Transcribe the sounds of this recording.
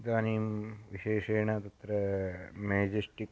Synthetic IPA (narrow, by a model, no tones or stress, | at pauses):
d̪aːniːmʋiʃeːʂeːɳɐt̪ɐt̪ɾɐmeːd͡ʒesʈik